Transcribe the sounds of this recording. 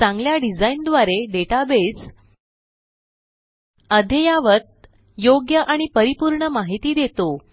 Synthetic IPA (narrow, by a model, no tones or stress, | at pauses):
t͡sãŋɡljaɖid͡zaind̪ʋaɾeɖeʈabes | əd̪ʱejaʋət̪̚ | joɡjəʔaɽ̃ipəɾipuɾɳəmaɦit̪iːd̪et̪o